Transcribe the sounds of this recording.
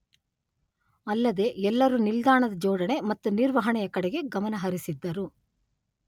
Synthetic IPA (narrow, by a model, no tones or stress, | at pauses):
ɐlːɐd̪e̞ɛlːɐɾunild̪aːɳɐd̪ɐd͡ʒɔːɽɐɳe̞mɐt̪ːuniɾʋɐɦɐɳɛjɐkɐɽɛɡe̞ɡɐmɐnɐɦɐɾisid̪ːɐɾu